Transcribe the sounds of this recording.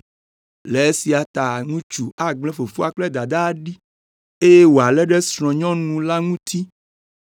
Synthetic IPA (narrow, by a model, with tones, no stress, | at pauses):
le˨e˦si˨a˨t̪a˨ŋũ˦t͡ʃu˨a˨ɡ͡blɛ̃˦fo˨fo˦a˨k͡plɛ˦d̪a˨d̪a˦ɖi˦ | e˦je˦wo˨a˨lɛ˦ɖɛ˦sɾ̃ɔ̃˨ɲɔ̃˦nũ˨la˦ŋũ˦t̪ʰi˦